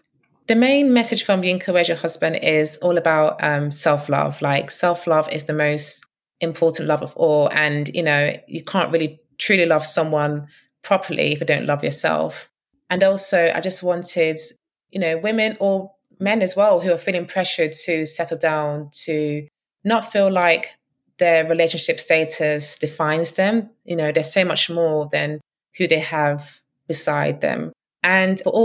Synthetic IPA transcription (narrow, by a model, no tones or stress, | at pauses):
ðəmẽɪ̃nmɛsɪd̥ʒ̥fɹə̃mjɪ̃ŋkʰəweɪd͡ʒəhʌzbə̃ndɪzɔːləbaʊʔʌ̃msɛlˠflʌ̰v̥laɪksɛlˠflʌvɪ̰zðəməʊst | ɪ̃mpʰɔˑʔn̩ʔlʌvəvɔːlə̃njɨ̰noʊjəkʰɑ̃ˑnʔɹʔɪːli | tʰɹ̥ʉːlilʌv̥sʌ̃mwʌ̃n | pʰɹ̥ɒpʰəlḭɪfjɨdə̃ʊ̃nʔlʌvjə̰sɛ̰lˠf | ʔə̃nɔˑlˠsoʊʔa̰ɪd͡ʒʌst̚wɒ̃ntʰɪd | jɨnoʊwɪ̃mɪ̃nə˞ | mɛ̃nɨzwɛlˠɦʉəfiːlˠɪ̃ŋpʰɹ̥ɛʃə˞tʰɨsɛɾl̩ˠdãʊ̃ntʰɨ | nətfiːlaɪk̚ | ðə˞ɹɪleɪʃɨnʃɪpsteɪtʰɨsd̥ɨfãɪ̃nzðɨ̃mjɨnoʊðə˞soʊmʌt͡ʃmɔɹðɨ̃n | hʉðeɪəv | b̥ɪsaɪd̪̚ðɨ̰̃m | ʔɨ̃nəʔɔ